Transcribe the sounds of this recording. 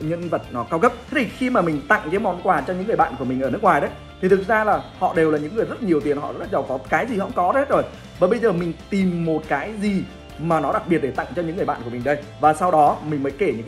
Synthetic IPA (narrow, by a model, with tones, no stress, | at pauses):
ɲɨ̰˧˥ŋvə˨˩t̚nɔ˨˦kaː˧wkə˦˥p̚t̪ʰe˦˥t̪ʰi˨˩xi˧maː˨˩mï˨˩ŋ̟t̪a̰˧˨ŋkəː˨˦jmɔ˨˩nkwaː˨˩t͡ɕɔ˧ɲɨ˧˥ŋɨ˨˩əjɓa̰ː˧˨ku˧˩mi˨˩ŋʔəː˧˩nɨ˦˥k̚ŋwaː˨˩jɗə˨˦j | t̪ʰi˨˩t̪ʰɨ˨˩k̚zaː˧laː˨˩hɔ̰˧˨ɗe˨˩wlaː˨˩ɲɨ̰˧˥ŋːɨ˨˩əjzə˦˥t̚ɲi˨˩əwt̪i˨˩ənhɔ̰˧˨zə˦˥zə˨˩wkɔ˨˦kaː˨˦jzi˨˩hə̰˧˥wŋ͡mkɔ˨˦ə˧˦˥t̚zo˨˩j | vəː˨˩ɓə˧jzəː˨˩mï˨˩ŋ̟t̪i˨˩mːo˨˩t̚kaː˨˦jzi˨˩ | maː˨˩nɔ˨˦ɗa˨˩k̚ɓi˨˩ət̚ɗe˧˩t̪a̰˧˨ŋt͡ɕɔ˧ɲɨ̰˧˥ŋːɨ˨˩jɓa̰ː˧˨nku˧˩əmi˨˩ɗə˧j | vaː˨˩sa˧wɗɔ˨˦mï˨˩ŋ̟mə˨˦jke˧˩ɲɨ̰˧˥ŋ